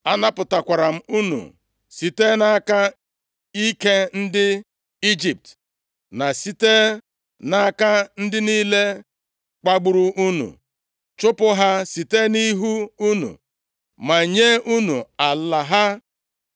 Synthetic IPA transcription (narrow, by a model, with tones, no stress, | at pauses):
a˦na˦pʊ˨ta˨kʷa˨ɾa˨m̩˦u˦nṵ˨ | si˨te˦na˦ka˦ | i˦ke˦n̩˦dɪ˦ | i˦d͡ʒi˨p̚t | na˨si˦te˦ | na˦ka˦n̩˦dɪ˦niː˦le˦ | k͡pa˦ɡ͡bu˨ɾu˦ʔu˦nṵ˨ | t͡ʃʊ˦pʊ˦ɦa˦si˨te˦ni˦ɦu˦u˦nṵ˨ | ma˨ɲe˦u˦nu˨a˨la˨ɦa˦